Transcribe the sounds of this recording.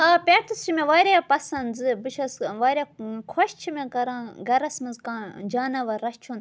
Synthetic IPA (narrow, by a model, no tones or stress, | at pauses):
aːpʲeːʈ̪ɨst͡ʃʰimẽʋaːɾʲapɐsɐnzɨbɨʃɐsʋaːɾʲaːkʰoʃt͡ʃʰimekɐɾãːɡɐɾɐsmɐnzkãːd͡ʒaːnɐʋɐɾɐst͡ʃʰuːn